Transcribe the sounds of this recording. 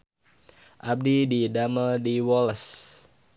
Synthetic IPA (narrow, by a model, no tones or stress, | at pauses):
ʔab̚dididaməldiwɔləs